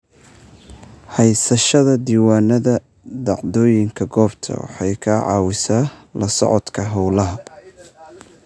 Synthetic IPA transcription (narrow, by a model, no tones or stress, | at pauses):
hɛjsɐʃɐðɐd̪iːwaːnɐðɐ | d̪ɑʕd̪ɔːjɪŋkʰɐɡɔːbt̪ʰɐ̰wɑ̰ħɑjkʰaːʕɑ̰ːwɪsaːlʔɐsɔ̰ʕɔd̪kʰɐɦɐwlɐɦɐ